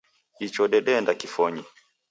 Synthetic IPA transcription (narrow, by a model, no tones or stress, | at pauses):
it͡ʃɔɗɛɗɛndakifɔɲi